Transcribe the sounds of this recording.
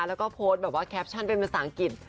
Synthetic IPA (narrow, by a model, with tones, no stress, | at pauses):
lɛː˦˥wkɔː˥˩pʰoː˦˥t̪̚bɛː˨˩p̚waː˥˩kʰɛː˦˥p̚t͡ɕʰa˥˩npe˧npa˧saː˩˦ŋki˨˩t̪̚